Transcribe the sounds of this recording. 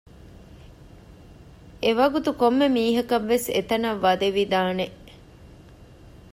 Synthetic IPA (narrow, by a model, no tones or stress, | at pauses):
eʋɐɡut̪ukomːemiːɦɐkɐʋːesḛt̪ɐnɐʋːɐd̪eʋid̪aːneʔ